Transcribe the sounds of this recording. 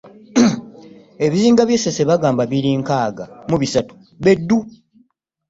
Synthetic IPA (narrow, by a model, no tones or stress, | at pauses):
e̞βiziːŋɡaβjesese̞βaɡaːmbaβiɾiːŋkaːɡamuβisatu̥ | βe̞dːu